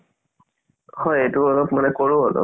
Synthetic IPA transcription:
hɔjejtuɔlɔpmanɛkoɹuɔlɔ̰

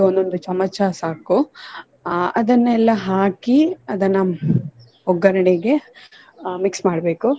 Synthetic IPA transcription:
ond̪o̞nd̪ut͡ʃɐmɐt͡ʃasaːku | ɐd̪ɐnːɛlːɐɦaːkiɐd̪ɐnːɐ | ɔɡːɐɾɐɳiɡe̞ | miksmaːɽbe̞ːku

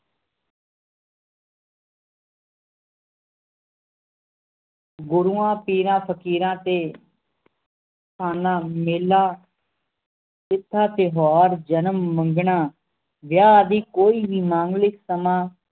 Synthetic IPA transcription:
ɡʊɾuːãːpiːɾãːpʰəkiːɾãːt̪eː | tʰaːnãːmeːlːaː | ɪt̪ʰːaːt̪eːɦaːɾd͡ʒənəmːəŋɡɳãː | ʋjaːd̪iːkoːiːbiːmãːŋɡlɪksəmãː

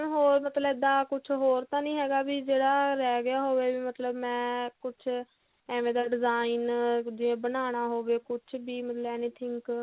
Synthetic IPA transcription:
ɦoːɾmət̪ləbd̪aːkʊt͡ʃʰɦoːɾt̪ãːnĩːɦɛːɡaːbiːd͡ʒeːɽaːɾɛːɡɪjaːɦoːʋeːbiːmət̪ləbmɛ̃ːkʊt͡ʃʰ | ɛːʋẽːd̪aːɖɪzaːind͡ʒɪẽːbənaːɽ̃aːɦoːʋeːkʊt͡ʃʰbiːmət̪ləɛːniːt̪ʰɪŋk

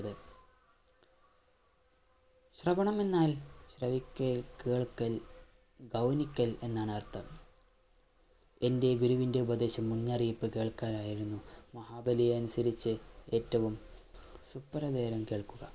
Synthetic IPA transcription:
ðɨ | ɕrɐʋɐɳɐme̞nːaːlɕrɐʋikʲːɐkeːɭkːɐl | ɡɐwnikʲːɐle̞nːaːɳɨɐrt̪ʰːɐm | e̞nde̞ɡuɾuʋinde̞ubɐd̪e̞ːɕɐmːuɲːaːriːpːɨkeːɭkaːɾaːjiɾunːumɐhaːbɐlijeɐnusɐɾit͡ɕːɨe̞ːtːɐʋumsupːɐɾɐd̪eːɾɐmkeːɭkːuɣɐ

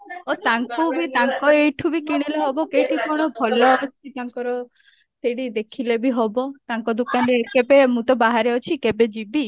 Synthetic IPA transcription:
ot̪aŋkubit̪aŋkɔejʈʰubikiɽ̃ileɦɔbɔkejʈʰikɔɽ̃ɔbʱɔlɔːt͡ʃʰit̪aŋkɔɾɔ | seɽid̪ekʰilebiɦɔbɔt̪aŋkɔd̪ukanɾekebemũt̪ɔbaɦaɾeɔt͡ʃʰikebed͡ʒibi

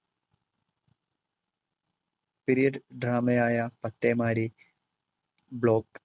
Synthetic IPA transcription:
piɾijɐɖɖɾaːmɐjaːjɐpɐt̪ːeːmaːɾi | bɭoːk

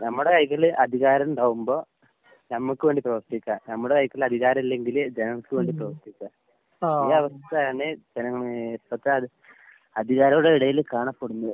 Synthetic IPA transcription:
nɐmːuɽe̞kɐjikːɐɭʔɐd̪ʱiɣaːɾɐmɳɖaːɣumbo̞ː | nɐmːɐkːɨʋe̞ːɳɖiprɐʋɐrt̪ikʲːaːnɐmːuɽekɐjikːɐlɐd̪ʱiɣaːɾɐmilːe̞ŋɡild͡ʑenɐŋːɐkːɨʋeːɳɖiprɐʋɐrt̪ikʲːa | iːɐʋɐst̪ɐtːajaːɳed͡ʑenɐŋːɐɭp̪ːɐt̪ːeɐ | ɐd̪ʱiɣaːɾɐuɽeiɽɐjilkaːɳɐpːoɽunːu

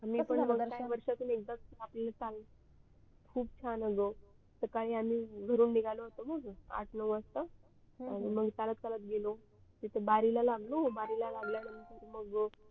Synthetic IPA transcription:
amiːpəɳməɡ̪aʋəɾʂat̪uːnek̚d̪əmaplalat̪al | kʰuːbt͡ɕʰanəɡo | səkaɭiːamiːɡʱəɾuːnːiɡʱaloɦot̪oməɡa̰ʈʰnəʋəst̪a | añiməɡt̪alət̪̚kalət̪̚ɡelo | t̪it̪ʰəbaɾilalaɡlobaɾilalaɡljanimit̪it̪ʰməɡ

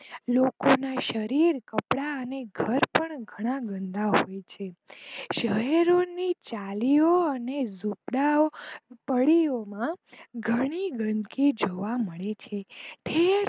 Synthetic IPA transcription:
lokonaʃəɾiɾkəpɽaəneɡʱəɾpəɳɡʱəɽ̃ãɡə̃nd̪aɦojt͡ʃʰeʃəɦɛɾonit͡ʃalioənezupɽaopəɭiomãɡʱəɽ̃iɡʱənkid͡ʒoʋaməɭet͡ʃʰeʈʰeɾ

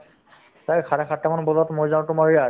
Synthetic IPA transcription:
sajkʰaɹɛxʰatɛmanbɔlɔtmojzaw̃tʊmaɹija

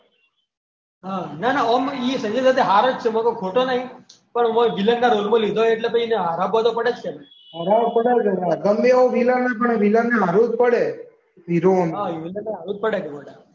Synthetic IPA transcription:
ɦananaəmisə̃d͡ʒəjsat̪eɦaɾəd͡ʒt͡ʃʰemakokʰoʈonaɦĩ | pəɳmə̃ʋilənkaɾolmə̃lid̪ʱoeʈlepəineɦaɾabat̪opəɽet͡ʃkʰem | ɦaɾapəɽed͡ʒeɾaɡəmbeoʋilanapəɳeʋilaneɦaɾut̪̚pəɽe | siɾonɦaiʋilənːeɦaɾut̪̚pəɽeɡəməɽa

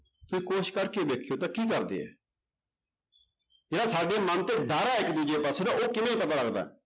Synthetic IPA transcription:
t̪ʊsĩːkoːʃkəɾked̪eːkʰɪjot̪̬akiːkɐɾd̪ḛːɛ̰ː | d͡ʒeːɽasaːɖemənt̪eɖaɾaɛkid̪ʊd͡ʒepaːsed̪aʔoːkɪmẽipɐt̪aːlɐɡd̪a̰ɛ̰

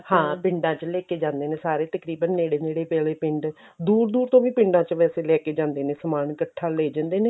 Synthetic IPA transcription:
hãːpɪ̃ɳɖãːt͡ʃəlɛːkeːd͡ʒãːnd̪eːneːsaːɾeːt̪əkɾiːbənːeːɽeːneːɽeːpɛːleːpɪɳɖ | d̪uːɾd̪uːɾt̪õːʋĩːpɪ̃ɳɖãːt͡ʃəʋɛːseːlɛːkeːd͡ʒãːnd̪eːnẽːsəmaːɳkəʈʰːaːleːd͡ʒãːnd̪eːneː

